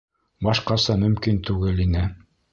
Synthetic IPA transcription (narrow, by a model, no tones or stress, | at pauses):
bɑʃqɑsɑmɵ̆mkint̪ʉɡɘlinɘ